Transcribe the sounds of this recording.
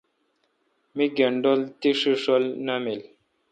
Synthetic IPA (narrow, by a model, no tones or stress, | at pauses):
miɡeɳɖolt̪iʂɨʂɔlnəmel